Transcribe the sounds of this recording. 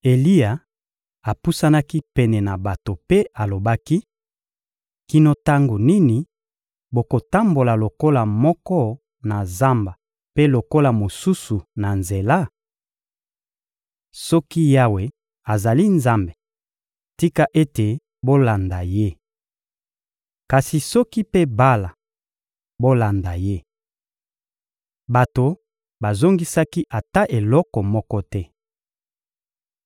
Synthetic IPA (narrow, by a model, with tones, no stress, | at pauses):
e˨li˦ja˨ | a˨pu˦sa˦na˦ki˦pɛ˨nɛ˨na˨ba˨to˨pe˦a˨lo˨ba˦ki˦ | ki˨no˨ta˦ŋɡo˨ni˦ni˨ | bo˨ko˨ta˦mbo˨la˨lo˨ko˦la˨mɔ˦kɔ˦ | na˨za˦mba˨ | pe˦lo˨ko˦la˨mo˨su˦su˨na˨nze˨la˦ | sɔ˦ki˦ja˦we˨ | a˨za˨li˦nza˦mbe˨ | ti˦ka˦ʔe˦te˨ | bo˦la˨nda˨je˦ | ka˨si˨sɔ˦ki˦pe˦ba˦la˨ | bo˦la˨nda˨je˦ | ba˨to˨ | ba˨zo˦ŋɡi˦sa˦ki˦ʔa˨ta˦ʔe˨lɔ˦kɔ˨mɔ˦kɔ˦tɛ˦